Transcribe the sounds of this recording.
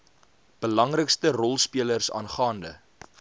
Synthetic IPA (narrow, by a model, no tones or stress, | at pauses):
b̥əlɐŋrəkstərɔlˠspiələrsɑ̰ːnχɑːndə